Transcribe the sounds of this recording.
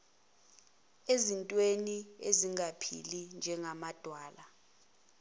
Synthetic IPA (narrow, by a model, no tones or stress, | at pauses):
ezintʼwenieziŋɡapʰḭlind͡ʒʱɛŋamad̥ʱwaːla